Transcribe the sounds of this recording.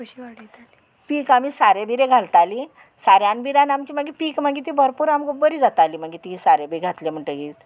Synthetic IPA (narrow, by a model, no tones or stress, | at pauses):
ɽi | piːkamiːsaɾebiɾeɡʱalt̪ali | saɾjanbiɾanamt͡ɕiːmaɡipiːkmaɡiːt̪ibʱəɾpuːɾambəɾiːd͡zat̪aliːm̤aɡit̪isaɾebiɡʱat̪lem̤əɳʈəɡiːt̪